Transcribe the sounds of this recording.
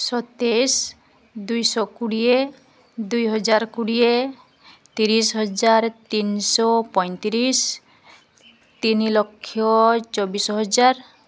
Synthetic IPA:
sɔt̪es | d̪ujsɔkuɽie | d̪ujɦɔd͡ʒaɾkuɽie | t̪iɾisɦɔd͡ʒaɾt̪insɔpɔjnt̪iɾis | t̪inilokʰːjɔt͡ʃɔbisɔɦɔd͡ʒaɾ

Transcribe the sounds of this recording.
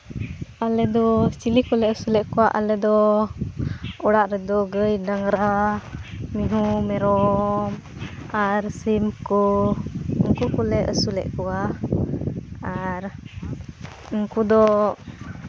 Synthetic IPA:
alɛd̪ɔt͡ʃilikɔlɛəsulɛʔkuwaʔa̰lɛd̪ɔ | ɔɽaʔɾɛd̪ɔɡəjnaŋɾa | miɦumɛɾɔm | aɾsimkɔ | uŋkukɔlɛʔəsulɛ̰ʔkua | aɾ | ɔŋkud̪ɔ

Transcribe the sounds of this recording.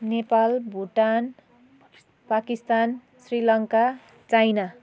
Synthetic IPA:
nepalbʱuʈan | pakist̪an | srilʌŋka | t͡sajna

